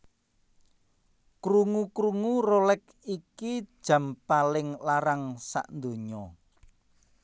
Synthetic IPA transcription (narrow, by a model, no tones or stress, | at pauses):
kɾuŋukɾuŋurolɛk | iki̥ʒ̥ä̤mpalɪŋlaɾaŋsa̰ʔnd̪o̤ɲɔ